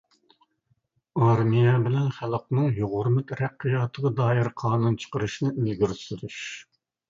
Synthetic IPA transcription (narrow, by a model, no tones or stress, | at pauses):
ɑɾmijɛbɪlɛnχælˠq̚nɨŋjoʁʊɾmɨt̪ʰɾɛqːijɑːt̪ʰəʁɑd̪ɑːjɪɾqʰɑːnunt͡ʃʰə̥qəɾɨʃnɨʔilɡʲiɾsyɾyʃ